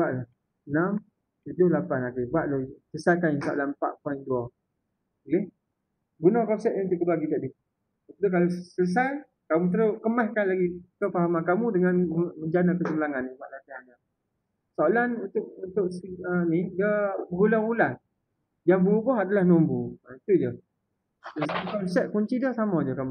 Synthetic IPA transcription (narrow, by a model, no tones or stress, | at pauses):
buaʔla | nam | t̪udʊhlapanakibuaʔlosəsajkanisoa̰lanpa̰ʔpaindua | leh | ɡunɔhkɔsɛʔ̪̚int̪uʔkːəduaɡit̪aʔdi | apət̪uk̬alosəs̬aj | kamut̪̬əɾokəmahkanlaɡikəpaɦamankamudəŋanməd͡ʒanakəsəməlaŋanːipaʔlat̪iɦana | soalanunt̪ʊʔunt̪ʊʔsənidəbəɦulaɣulan | d͡ʒabuubɔɦadalahnombuait̪ud͡ʒə | səskɔnsɛt̪̚kuɲt͡ʃidɔsamɔd͡ʒəkamu